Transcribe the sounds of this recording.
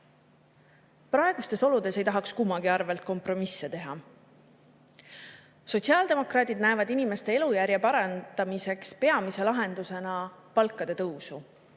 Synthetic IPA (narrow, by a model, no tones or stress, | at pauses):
prɑe̞ɡ̥ust̪e̞so̞lud̪̥e̞se̞jt̪ɑɦɑkskumːɑɡ̥iɑrve̞lt̪̚ko̞mpro̞misːe̞t̪e̞ɦɑ | so̞tʲsiɑːld̪e̞mo̞krɑːd̪̥ʲid̪næe̞vɑd̪inime̞st̪e̞e̞lujæɾjɑpɑɾɑnd̪̥ɑmise̞kspe̞ɑmise̞lɑɦe̞nd̪use̞nɑpɑlkːˑɑd̪̥e̞t̪ɤwsu